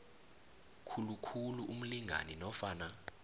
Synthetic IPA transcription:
kʰulukʰuluʔum̩liŋʱa̰ninɔfaːna

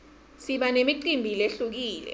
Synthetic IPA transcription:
siɓanemiǃimbʱileɬuk̬iːlɛ̰

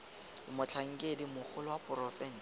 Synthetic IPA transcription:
ɪmʊt͡ɬʰaŋ̩kʼedimʊk͡xʰʊlʊwapʼʊrɔfɛn̩s

